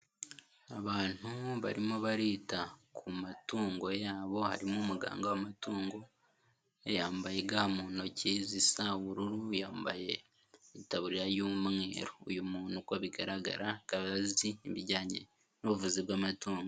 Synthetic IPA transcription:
aβaːn̥uβaɾimoβaɾiːtakʰumatuːŋɡo̞jaːβo̞ha̰ɾimumuɡa̰ːŋɡawamatuːŋɡo̞ | ejaːmbaje̞ɡamuːno̞ciːzisauβuɾuɾujaːmba̰je̞ | itaβuɾiɾajumŋe̞̰ːɾoujumuːn̥ukoβiɡaɾaɡa̰ɾakaβaziːβiɟaːɲḛ | nuβuvuziβwaːmatuːŋɡo

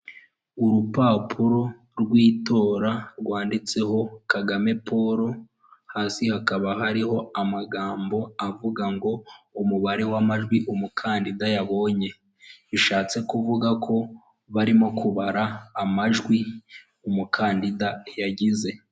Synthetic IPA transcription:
uɾupaːpʰuɾo̞ | ɾɡwiːto̞ːɾaɾɡwaːndit͡se̞ho̞kaɡame̞pʰo̞ɾo̞ | haːsihakaβaɦaɾiho̞amaɡaːmbo̞avuɡaŋɡo̞umuβaɾe̞wamaʒɡwiʔumukʰaːndidajaβo̞ːɲe̞ | iʃaːt͡se̞kuvuɡakʰo̞ | βaɾimo̞kuβaɾaːmaʒɡwi | umukʰaːndidajaɟize̞

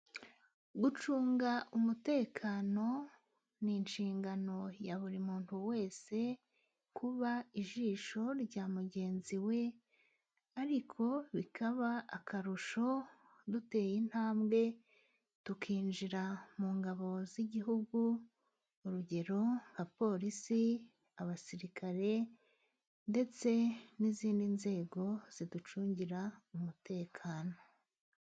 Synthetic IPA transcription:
ɡut͡ʃuːŋɡaumute̞ːkʰaːno̞ | ninʃiːŋɡano̞jaβuɾimuːn̥huwe̞ːse̞ | kʰuβaiʒiːʃo̞ɾɟaːmuɟe̞ːnziwe̞ | aɾikʰo̞βikʰaβaakʰaɾuʃo̞ | dute̞ːjin̥haːmbɡe̞ | tukʰiːnʒiɾamuːŋɡaβo̞ziɟiɦuɡuː | ɾuɟe̞ɾo̞ŋɡapo̞ɾisi | aβasiɾikʰaɾe̞ | nde̞t͡se̞niziːndinze̞ːɡo̞z̥idut͡ʃuːɲɟiɾaumute̞ːkʰaːno̞

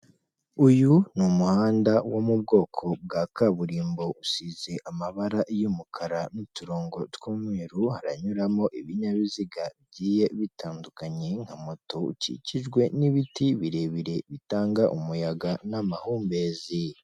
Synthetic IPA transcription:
ujunumuhaːndawomub̚ɡo̞ːkʰo̞b̚ɡaːkaβuɾiːmbo̞usize̞ʔamaβaɾaʔjumukʰaɾanituɾoːŋɡo̞twuːmwiːɾuhaɾaɲuɾamo̞ʔiβiɲaβiziɡabɟiːje̞βitʰaːndukaɲe̞ŋhamoto̞ṵcḭciʒɡwe̞niβitiβiɾe̞βiɾe̞βitaːŋɡaʔumujaɡanamahuːmbezi

